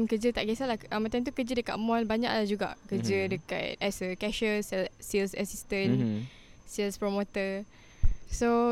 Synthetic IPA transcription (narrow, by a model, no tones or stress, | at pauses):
nkəd͡ʒət̪aʔɡɛsalahʔəmat̪ant̪̬ukəd͡ʒədəka̰t̪mɔlbaɲa̰ʔlahd͡ʒuɡa̰ʔkəd͡ʒədəka̰t̪̚ɛsəkɛʃəsɛlsilsəsist̪ən | sɛlspɾomot̪ə | so